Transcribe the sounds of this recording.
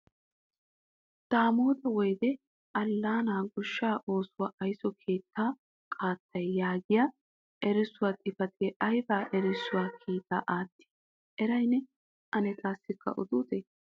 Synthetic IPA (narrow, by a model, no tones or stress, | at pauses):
d̪̥aːmoːd̪ɐwɔjd̪ɛ | ʔɐlːaːnaːɡʊʃːaːʔo̞ːsʊwaʔɐjsɔkʰe̞ːt̪ːaː | kʼaːt̪ːɐjjaːɡɪja | ʔɛɾɪsʊwat̪ʼɪfɐt̪ɛʔɐjbaːʔɛɾɪsʊwaːkʰiːt̪a̰ːʔaːt̪ːi̥ | ʔɛɾɐjnɛ | ʔɐnɛt̪ʼaːsːɪkːɐ̰ʔʊ̰d̪ʊːt̪e